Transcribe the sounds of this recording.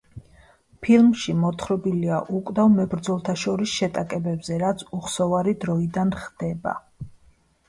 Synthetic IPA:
pʰilˠmʃimɔt̪χɾɔbiliaʔukʼd̪avmɛbɾd̪zɔlˠt̪ʰaʃɔɾisʃɛt̪ʼakʼɛbɛbzɛɾat̪sʰuχsɔvaɾid̪ɾɔid̪anχd̪̥ɛba̰

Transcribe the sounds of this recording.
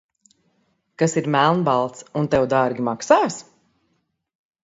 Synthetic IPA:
kasiɾmælˠnbalˠt̪sunt̪ɛwd̪aɾɡʲimaksaːs

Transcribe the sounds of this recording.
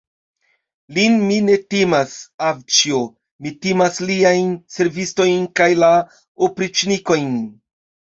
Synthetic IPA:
linmine̞timasawt͡ʃio | mitimasliajnse̞ɾvisto̞jnkajla | opɾit͡ʃniko̞jn

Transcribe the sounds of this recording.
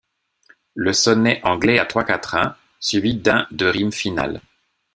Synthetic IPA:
ləsɔnɛʔɑ̃ɡlɛat̪χwakat̪χɛ̃ | sɥivid̪ɛ̃d̪əʁimfina̰l

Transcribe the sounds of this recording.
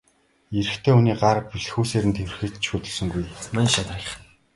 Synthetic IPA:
eɾɘ̆xt̪ʰeːuniːɢarpiɮxuːseːɾɘ̆nt̪ʰew̆rxɘ̆t͡ɕt͡ɕʃuːt̪ɵ̆ɮsɵ̆ŋɡujmanʃat̪ə̆ɮə̆χ

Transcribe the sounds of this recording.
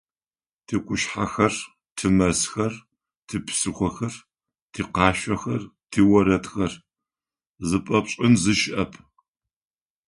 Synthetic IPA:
tʰiːkʷʰʼʊʃħa̰xɐr | tʰɨmɐsxɐr | tʰɨpʰsɨxʷɔxɐr | tʰiːqɑːɕʷɐxɐrtʰiːwɐɾɐtxɐr | zɨpʼɐpɕʼɪnzɨʃɪʔɐpʰ

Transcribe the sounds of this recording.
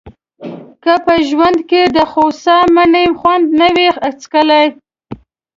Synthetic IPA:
kəpəʒwand̪ked̪əxosɑmanemxwand̪nawexat͡skəlaj

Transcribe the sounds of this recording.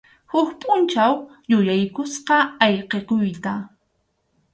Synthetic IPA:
hʊkpʼʊnt͡ʃaw | jʊjajkʊsqɑɑjqeqʊjt̪a

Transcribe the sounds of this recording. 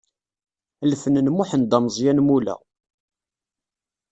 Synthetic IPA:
lfənənmuħənd̪ɑmzˤjænmulæ̰

